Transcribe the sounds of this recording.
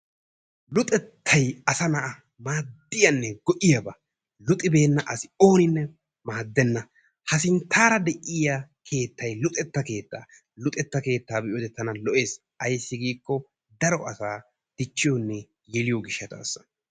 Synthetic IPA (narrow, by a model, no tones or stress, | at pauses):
lʊt̪ʼɛt̪ʰːɐjɐsɐnɐʔɐ | maːd̪ːɪjɐnːɛɡ̥ɔʔɪjɐbɐ | lʊt̪ʼːɪbe̞ːnːɐʔɐsɪ̥o̞ːnɪnːɛ | maːd̪ːɛnːɐ | hɐsɪnt̪ʰːaːɾɐd̪ɛʔɪjakʰe̞ːt̪ːɐjlʊt̪ʼɛt̪ːɐke̞ːt̪ːa̰ː | lʊt̪ʼɛt̪ːɐke̞ːt̪ːaːbɪʔjoːd̪ɛt̪ːɐnɐlɔʔe̞ːs | ɐjsːɪɡiːkːɔ | d̪ɐɾɔɐsaː | d̪̥ɪt͡ʃːɪjɔnːɛ | jɛlɪjɔɡɪʃːɐt̪ʰa̰ːsːɐ̥